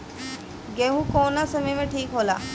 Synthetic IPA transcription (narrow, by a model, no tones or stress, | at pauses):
ɡeɦũkoːnasɐmemẽʈʰiːkɦoːla̰ː